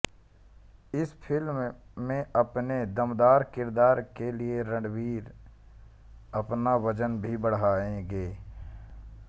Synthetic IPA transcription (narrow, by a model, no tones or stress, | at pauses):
ɪspʰɪlmːẽɐpned̪əmd̪aːɾkɪɾd̪aːɾkelieɾə̃ɳɖwiːɾ | ɐpnaʋəd͡ʒənbʱibəɽ̤aːẽɡeː